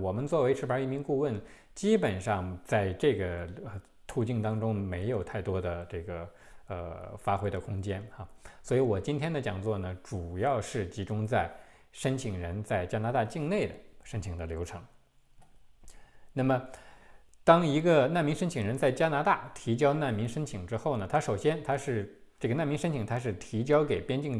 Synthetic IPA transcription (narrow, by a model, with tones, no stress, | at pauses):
wɔ˨˩mə˦nt͡swɔ˥˩we˧˥ɪʈ͡ʂʰɻ̩˥pə˞˧˥i˥˩mi˧˥ŋku˥˧wə˥˩n | t͡ɕi˥pə˨˩nʂɑ˥˧ŋt͡sa˥˧ɪʈ͡ʂɤ˥˩ɡə˩ə˧ | t̪ʰu˥˧t͡ɕi˥˩ŋt̪ɑ˥ŋʈ͡ʂʊ˥ŋme˧˥ɪjo˨˩ʊt̪ʰa˥˩ɪt̪wɔ˥d̪ə˨ʈ͡ʂɤ˥˩ɡə˩ | ə̰˧˩fa˥xwe˥ɪd̪ə˨kʰʊ˥ŋt͡ɕjɛ˥na˥˧swɔ˧˥i˧˥wɔ˨˩t͡ɕi˥nt̪ʰjɛ˥nd̪ə˨t͡ɕjɑ˨˩ŋt͡swɔ˥˩nə˩ʈ͡ʂu˨˩jɑ˥˧ʊʂɻ̩˥˩t͡ɕi˧˥ʈ͡ʂʊ˥ŋt͡sa˥˩ɪ | ʂə˥nt͡ɕʰi˨˩ŋɻə˧˥nt͡sa˥˩ɪt͡ɕja˥na˧˥t̪a˥˧t͡ɕi˥˧ŋne˥˩ɪd̪ə˨˩ʂə˥nt͡ɕʰi˨˩ŋd̪ə˧ljo˧˥ʊʈ͡ʂʰɤ˧˥ŋ | na˥˩mə˩ | t̪ɑ˥ŋi˧˥ɡə˧na˥˩nmi˧˥ŋʂə˥nt͡ɕʰi˨˩ŋɻə˧˥nt͡sa˥˩ɪt͡ɕja˥na˧˥t̪a˥˩t̪ʰi˧˥t͡ɕjɑ˥ʊna˥˩nmi˧˥ŋʂə˥nt͡ɕʰi˨˩ŋʈ͡ʂɻ̩˥xo˥˩ʊnə˩t̪ʰa˥ʂo˨˩ʊɕjɛ˥nt̪ʰa˥ʂɻ̩˥˧ʈ͡ʂɤ˥˩ɡə˩na˥˩nmi˧˥ŋʂə˥nt͡ɕʰi˨˧˩ŋt̪ʰa˥ʂ̬ɻ̩˥˩t̪ʰi˧˥t͡ɕjɑ˥ʊke˨˩ɪpjɛ˥nt͡ɕi˥˩ŋ